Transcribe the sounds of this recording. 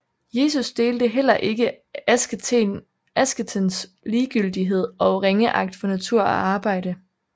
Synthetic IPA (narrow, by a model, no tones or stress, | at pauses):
je̝ːsusd̥e̝ːld̥əɦel̰ɐʔe̝ɡ̥ə | æsn | æsɡ̥ət͡sʰens | liːɡ̥yl̰d̥iɦe̝ð̞̰ˠɒ̽ʁeŋəʔɑ̈ɡ̥̚d̥fɒ̽næt͡sʰuɐ̰æʔɑ̈ːb̥ɑ̈ɪ̰ɾ̥ə